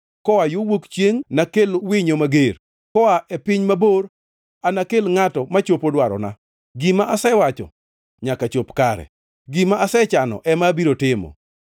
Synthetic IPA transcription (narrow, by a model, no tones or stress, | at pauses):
kɔwajowokt͡ʃjeŋnakelwɪɲomaɡeɾ | kɔaʔɛpɪɲmaboɾ | anakelŋatɔmat͡ʃopodwaɾɔ̰na̰ | ɡimaʔasɛwat͡ʃɔ̰ | ɲakat͡ʃopkaɾɛ̰ | ɡimaʔːsɛt͡ʃanɔ̰ʔɛmabiɾotɪmɔ̰